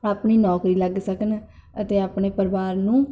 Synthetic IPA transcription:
aːpɳiːnɔːkɾiːləɡsəkənət̪eːaːpɳeːpəɾʋaːɾnũː

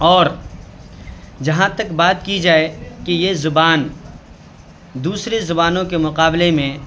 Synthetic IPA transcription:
ɔːɾ | d͡ʒɐɦãt̪ɐkbaːt̪̚kid͡ʒaːekijezʊbaːn | d̪uːsɾezʊbaːnõkemʊqaːblemẽ

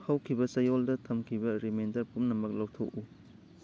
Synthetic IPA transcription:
hɐwkʰibɐsɐjoldɐtʰɐmkʰibɐɾimendɐɾpumnɐmɐk̚lowtʰoku

